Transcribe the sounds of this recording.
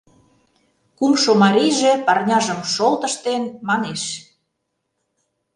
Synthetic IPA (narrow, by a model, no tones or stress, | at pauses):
kumʃomɑɾijʒĕpɑrnʲɑʒə̆mʃolt̪ə̆ʃt̪enmɑneʃ